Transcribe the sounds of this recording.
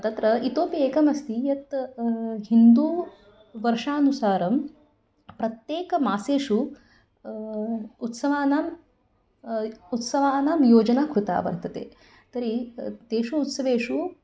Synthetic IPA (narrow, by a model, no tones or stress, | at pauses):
t̪ɐt̪ɾɐit̪oːpieːkɐmɐst̪ijɐt̪ | ɦind̪uː | ʋɐɾʂaːnusaːɾɐm | pɾɐt̪jeːkɐmaːseːʂu | ut̪sɐʋaːnaːm | ut̪sɐʋaːnaːmjoːd͡ʒɐnaːkɾut̪a̰ːʋɐ̰ɾt̪ɐt̪ḛː | t̪ɐɾit̪eːʂuːt̪sɐʋeːʂu